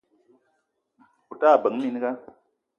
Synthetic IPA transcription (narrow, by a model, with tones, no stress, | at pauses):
u˨ta˦˨bə˨˦ŋmi˨˦n˦ɡa˦